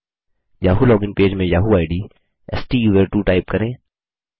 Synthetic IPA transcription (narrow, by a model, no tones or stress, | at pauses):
jaːɦulɔːɡɪ̃ŋpeːd͡ʒmẽjaːɦuaːɪɖiː | ɛ̰sʈiːjuʋəɾʈuːʈaːɪp̚kɐɾẽː